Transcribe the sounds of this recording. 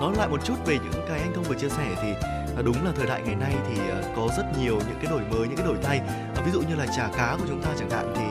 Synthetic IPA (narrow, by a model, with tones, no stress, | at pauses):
nɔ˨˦la̰ː˧˨jmo˨˩t̚t͡ɕu˦˥t̚ve˨˩ɲɨ̰˧˥ŋkaː˨˦jʔa˧jŋʰə˧ŋ͡mvɨ˨˩t͡ɕi˧əsɛ˧˩t̪ʰiː˨˩˨ | ɗʊ˨˦ŋ͡mlaː˨˩t̪ʰəː˨˩jɗa̰ː˧˨jŋa˨˩jna˧jt̪ʰi˨˩ʔəː˨˩kɔ˨˦zə˦˥t̚ɲi˨˩əwɲɨ̰˧˥ŋkaː˨˦jɗo˧˩jməː˨˦jɲɨ̰˧˥kaː˨˦ɗo˧˩jt̪ʰa˧j | vi˨˦zṵ˧˨ɲɨ˧laː˨˩t͡ɕaː˧˩kaː˨˦ku˧˩ə˩t͡ɕʊ˨˦ŋ͡mt̪aː˧t͡ɕaː˧˩ŋɗa̰ː˧˨ŋt̪ʰi˨˩